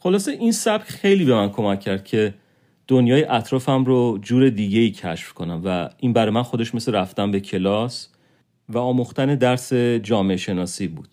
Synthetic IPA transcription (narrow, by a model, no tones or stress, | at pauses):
χo̞lɒːseʔinsæb̥cxe̞jliːbe̞mænkʰo̞mæcʰːæɾd̪̥̚cʰe̞ | d̪̥onjɒːjeʔæt̪ʰɾɒːfæmɾod͡ʒuːɾe̞d̪iːɟe̞iːcʰæʃfkʰo̞næmvæʔinbæɾɒːjmænxo̞d̪e̞ʃme̞seɾæft̪ænbe̞cʰe̞lɒs | væɒːmuxt̪æne̞d̪æɾse̞d͡ʒɒːmeeʃe̞nɒːsiːbṵːd̪̥